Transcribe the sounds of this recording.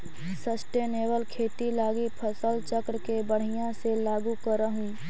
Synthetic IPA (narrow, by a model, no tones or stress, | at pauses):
səsʈeːneːbəlkʰeːt̪ilaːɡipʰəsəlt͡ʃəkɾkebəɽ̤ɪjãselaːɡukəɾəɦũː